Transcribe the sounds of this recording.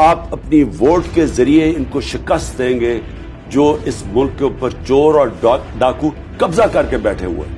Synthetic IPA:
aːpɐpniʋoːʈkezɐɾieɪnkoʃɪkəst̪̚d̪ẽːŋɡe | d͡ʒoːɪsmʊlkːeupəɾt͡ʃoːɾɔːɾɖaːku | kɐbzakɐɾkebɛːʈʰḛɦṵḛː

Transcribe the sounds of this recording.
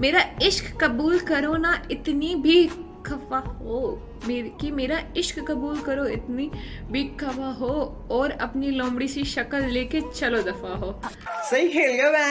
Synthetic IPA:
meːɾaɪʃkkːɐbuːlkɐɾonaɪt̪nibʱiː | kɐfaɦo | meːkimeːɾaɪʃkːɐbuːlkɐɾoɪt̪nibʱiːkːɐʋaɦo | ɔːɾɐ̰pnilɔ̃ːmbɽiseʃɐkəlːeːket͡ʃɐlod̪ɐfaɦoːsɐɦikʰeːlɡeabɛ̃ː

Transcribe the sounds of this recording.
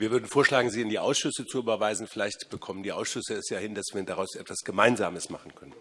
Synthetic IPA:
viːɐvʏɐdn̩foːɐʃlaːɡŋ̩ziːɪndiːʔa̰ʊsʃʏsət͡suʔyːbɐvaɪzn̩fɪlaɪçtb̥əkʰɔməndiːʔa̰ʊsʃʏsəɛsjaːhɪndasv̥iːɐdaʁaʊsʔɛtv̥asɡ̥əmaɪnza̰ːməsmaχn̩kʰœnən

